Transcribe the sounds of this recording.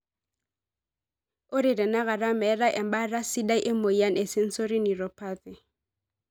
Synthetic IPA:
ʊ˦ɾɪ˨ɾɪ˨na˦ɣa˨ra˦mɛ˨˦ra˦ʔɛ˨m̩˦ba˦ra˦sɪ˦da˦i˦ʔɪ˦mo˨i˦a˦ne˨sɪ˦n̩˦so˦ɾɪ˦ni˨rɔ˨pʰa˦t̪ɪ˨

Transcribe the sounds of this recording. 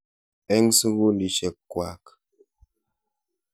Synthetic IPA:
ɛ˦ŋsu˦ɣu˦ndi˨ʃɛ˨kːwa̰˨k

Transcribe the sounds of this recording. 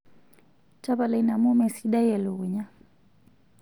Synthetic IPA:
t͡ʃa˦βa˨la˨i˦na˨mu˦mɛ˨si˦ɗa˦jɛ˨lu˨u˨ɲa˦

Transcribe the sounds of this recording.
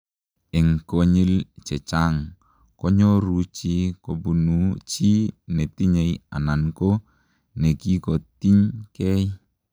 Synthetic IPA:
ɛ˨ŋko˨ɲi˦lt͡ʃɛ˨t͡ʃaŋ | kɔ˦ɲɔ˦ɾut͡ʃi˦ko˨bu˨nu˦t͡ʃi˦ne˨ti˦ɲe˨ja̰˨na˨nko˦ | ne˨ki˦kɔ˨t̪i˦ɲkɛ˦j

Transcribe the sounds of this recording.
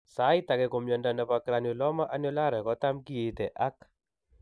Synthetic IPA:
sa˨˦i˦t̪a˨kɛ˨ko˨mjɔ˨nda˨nda˨pa˨kɾa˧no˨lɔ˦ma˦ʔa˦nɔ˦la˦ɾɛ˨kɔ˦ta˦mki˦e˨t̪ɛ˨ʔa˦k

